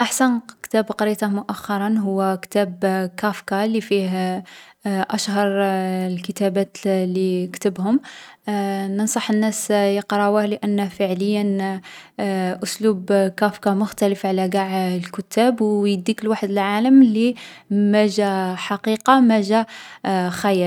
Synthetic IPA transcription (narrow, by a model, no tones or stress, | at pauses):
ʔaħsænkt̪æbqɑɾit̪ɑmʊʔæxːɑɾˤɑnɦʊwːækt̪æbkæfkɑlifih | ʔæʃhɑɾˤlkət̪æbæt̪likt̪əbhʊm | nənsˤɑħənːæsjəqɾˤɑwæhləʔənːfəʕləjːən | ʔʊslubkæfkɑmʊxt̪æləfʕalæɡaʕlkʊt̪ʰːæbwjəd̪ikəlwaħəd̪əlʕaləmlimæʒæħɑqiqɑmæʒæ | xæjæl